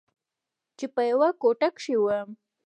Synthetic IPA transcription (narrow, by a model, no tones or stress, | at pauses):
t͡ʃɪpajwakoʈakʃɪwa